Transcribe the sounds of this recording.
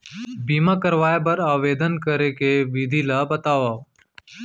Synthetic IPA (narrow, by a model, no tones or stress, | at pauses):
biːmakəɾʋaːeb̬əɾaːʋeːd̪ənkəɾekeʋɪd̪ʱilabət̪aːʋaː